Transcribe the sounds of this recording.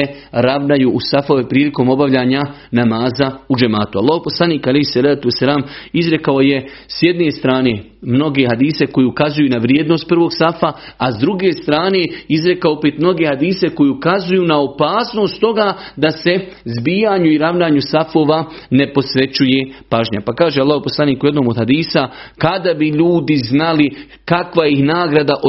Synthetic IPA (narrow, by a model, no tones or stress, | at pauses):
e | ɾaʋnajuʔusafo̞ːʋepɾiːliko̞ːmo̞baʋʎaːɲa | namaːzaud͡ʒemaːt̪ua̰lːaːhoposlˠaniːkalejhsalaːt̪uesːalaːmizɾe̞kao̞je̞ | sjed̪ne̞st̪ɾaːne̞ | mno̞ɡe̞ɦad̪iːse̞ko̞jiukazujuːnaʋɾjeːd̪no̞st̪̚pr̩ʋo̞ɡsafa | azd̪ɾuɡe̞ːst̪ɾaːne̞izɾe̞kaoopeːt̪mno̞ɡe̞had̪iːse̞ko̞jeukazujuːnao̞paːsno̞ːst̪t̪o̞ɡaːd̪ase̞zbiːjaːɲuiɾaʋnaːɲusafo̞ːʋa | ne̞po̞sʋe̞t͡ɕuje̞paːʒɲa̰pakaːʒealːaːɦhoposlaniːkujed̪noːmod̪had̪iːsakad̪abiʎuːd̪iznali | kakʋaihnaːɡɾad̪aʔo